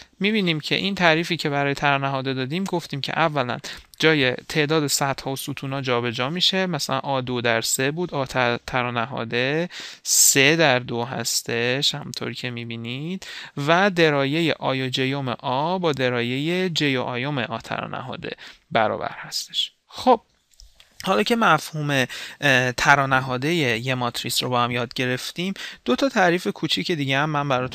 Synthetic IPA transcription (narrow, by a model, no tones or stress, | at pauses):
miːbiːniːmcʰe̞̰ʔint̪ʰæːɾiːfiːcʰe̞bæɾɒːjet̪ʰæɾɒnæɦɒːd̪e̞d̪ɒːd̪iːmɡoft̪iːmcʰe̞̰ʔævːælæ̰n | d͡ʒɒːje̞̰t̪ʰe̞ːʔd̪ɒːd̪e̞sæt̪hɒːosuːt̪ʰuːnɒːd͡ʒɒːbe̞d͡ʒɒːmiːʃe̞mæsælæ̰nʔɒːd̪od̪æɾse̞buːd̪ɒːt̪ʰæt̪ʰæɾɒːnæɦɒ̰ːd̪e̞se̞d̪æɾd̪oɦæ̰st̪e̞ʃhæmunt̪ʰo̰ɾiːcʰe̞miːbiːnid̪̥væd̪e̞ɾɒːje̞jḛʔɒːjod͡ʒejo̞mḛʔɒːbɒːd̪e̞ɾɒːje̞je̞d͡ʒejoʔɒːjomeʔɒːt̪ʰæ̰ɾɒ̰ːnʔæ̰ɦɒ̰ːd̪e̞̰bæɾɒ̰ːbæ̰ɾhæst̪eʃ | xob̥̚ | hɒːlɒːcʰe̞mæfhuːme̞t̪ʰæɾɒːnæɦɒːd̪e̞jejemɒt̪ʰɾisɾo̞bɒːhæmjɒːd̪̚ɟe̞ɾe̞ft̪imd̪̥o̞t̪ʰɒːt̪ʰæɾiːfe̞kʰut͡ʃʰicʰe̞d̪iːɟeæmːæmbæɾɒːt̪ʰ